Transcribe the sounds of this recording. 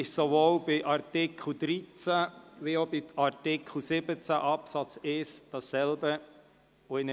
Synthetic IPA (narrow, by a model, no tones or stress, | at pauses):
ɪʃsoʋoːlb̥ɪʔɑɾtɪkʰl̩d̪ɾit͡sæʋiobiɑɾtɪkχl̩sɪbət͡sæʔɑpsɑt͡sɪsd̥ɑsːɛlbə | oɪnə